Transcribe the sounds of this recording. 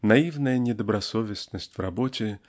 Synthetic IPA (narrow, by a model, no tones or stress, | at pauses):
nɐivnəjənʲɪd̪əbɾɐsovʲɪsnəsʲtʲvrɐbotʲɪ